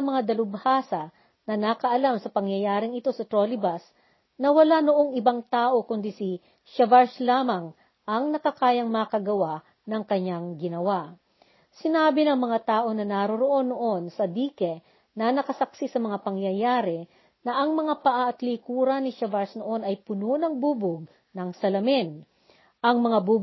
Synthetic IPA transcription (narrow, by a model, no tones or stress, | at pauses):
ɐmɐŋad̪ɐlʊbhaːsɐ | nɐnɐkɐʔɐlamsɐpɐŋjɐjaːɾɪŋɪt̪o̞sɐt̪ɾolɪbɐs | nɐwɐlanoʔo̞ŋɪbaŋt̪aːʔo̞kʊnd̪isɪ | ʃɐvaɹslaːmɐŋ | ɐŋnɐkɐkaːjɐŋmɐkɐɡɐwa | nɐŋkɐɲːaŋɡɪnɐwaʔ | sɪnaːbɪnɐŋmɐŋat̪aːʔo̞nɐnaɾoɾoʔo̞nːoʔo̞nsɐd̪iːkɛ | nɐnɐkɐsɐksisɐmɐŋapɐŋjɐjaːɾɛ | nɐʔɐŋmɐŋapɐʔaʔɐt̪likuːɾɐnɪʃɐvaɹsnoʔo̞nɐjpʊnonɐŋbuːbʊɡ̚ | nɐŋsɐlɐmɪn | ʔɐŋmɐŋabu